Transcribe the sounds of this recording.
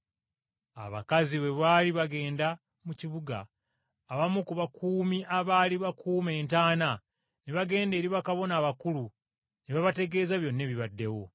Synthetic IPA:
a̰βa̰kaziβe̞βaːliβaɡe̞ːnda | muciβuɡa̰ː | βamukuβakʰuːmiʔaβaːliβakʰuːme̞ːntaːna | neβaɡe̞ːnde̞ːɾiβakaβo̞naːβakulu | neβaβate̞ɡe̞ːzaβjo̞nːe̞βiβadːe̞wo̞

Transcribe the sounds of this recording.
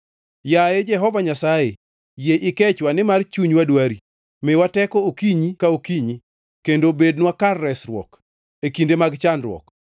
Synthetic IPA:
jajed͡ʒɛɦɔvaɲasaje | jeʔɪkɛt͡ʃwanɪmart͡ʃuɲwadwaɾi | mɪwatɛkɔokiɲikaokiɲi | kendobednwakarːɛsrwɔ̰k | ekindemaɡt͡ʃanɾwɔ̰k

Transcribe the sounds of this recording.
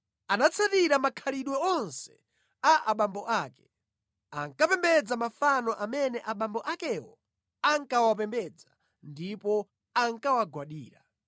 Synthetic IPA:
anat͡sʰatiɾamakʰaliɗwɛɔnsɛ̥ | aʔaɓambɔʔaːkɛ̥ | aŋkapɛmbɛd͡zamafanɔʔamɛnɛʔaɓambɔʔakɛwɔ̰ | aŋkawapɛmbɛd͡za | ndipɔ | aŋkawaɡwaɗiːɾa

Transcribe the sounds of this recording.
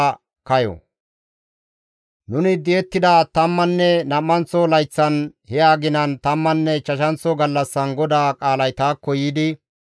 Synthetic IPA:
kɐjɔ̰ | nʊnɪd̪ɪɛt̪ːɪd̪aːt̪ɐmːɐnːɛnɐmːɐnt͡sːɔlɐjt͡sːɐnhɛaːɡɪnɐnt̪ɐmːɐnːɛt͡ʃɐʃɐnt͡sɔɡɐlːɐsːɐnɡɔd̪aːkʼaːlɐjt̪aːkːɔjːɪd̪ɪ

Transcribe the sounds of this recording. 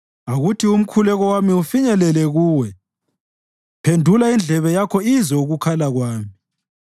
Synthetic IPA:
aɣutʰium̩kʰulɛɣɔwamiufiɲɛlɛlɛɣuːwɛ | pʰendʱulaind͡ɮʱɛβɛjakʰɔizɔuɣukʰalaɣwaːmi

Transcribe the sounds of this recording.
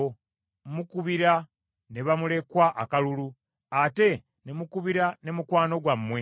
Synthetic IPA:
mukuβiɾa | ne̞βamule̞kwaʔakalulu | ate̞ | ne̞mukuβiɾane̞mukwaːno̞ɡwamːwe̞

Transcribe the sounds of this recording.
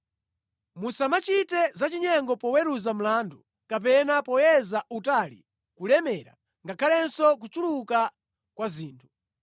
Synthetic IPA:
musamat͡ʃitɛzat͡ʃiɲɛŋɡɔpɔwɛɾuzam̩laːndu | kap̬ɛnapɔjɛzaʔutalḭ | kulɛmɛɾa̰ | ŋɡakʰalɛnsɔk̬ut͡ʃuluka | kwaziːntʰu̥

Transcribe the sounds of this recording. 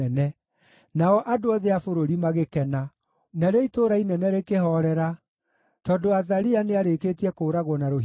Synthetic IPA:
ɛnɛ | naɔʔadoaðeafoɾoɾimaɣekɛna | naɾeɔitoɾainɛnɛɾekeɦɔɾɛɾa | tɔdoaðaɾianeaɾeketiɛkoːɾaɣwɔnaɾo

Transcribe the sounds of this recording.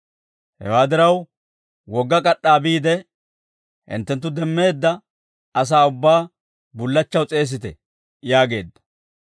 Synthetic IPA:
hɛ̰waːd̪ɪɾɐw | wɔɡːɐkʼɐɗːaːbiːd̪ɛ | hɪ̰nt̪ːɛnt̪ːʊd̪ɛmːe̞ːd̪ːɐ | ɐs̬aːʊbːaː | bʊlːɐt͡ʃːɐwt͡sʼe̞ːs̬ɪt̪ɛ̰ | jaːɡe̞̰ːd̪ːɐ̥

